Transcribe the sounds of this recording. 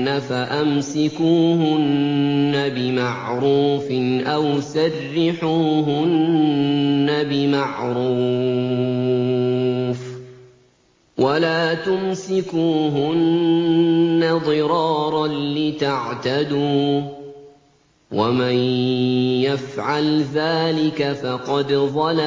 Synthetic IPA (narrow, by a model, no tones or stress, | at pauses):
afaʔamsɪkuːɦʊnːabɪmaʕɾuːfɪʔawsarːɪħuːɦʊnnː | abɪmaʕɾuː | f | wʔalaːt̪ʊmsɪkuːɦʊn | aðˤɨɾɑːɾˤɑnlɪt̪aʕt̪ad̪uː | waman | jafʕalðaːlɪkafɑqɑd̪ðˤɑla